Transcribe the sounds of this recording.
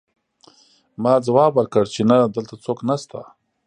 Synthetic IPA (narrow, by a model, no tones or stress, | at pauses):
mɑːd͡zawɑbwəɾkəɽt͡ʃenad̪əlt̪at͡soknast̪a